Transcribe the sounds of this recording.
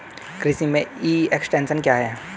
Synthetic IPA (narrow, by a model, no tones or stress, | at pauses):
kɾɪsimẽiːeksʈẽːnsənkjaːɦɛː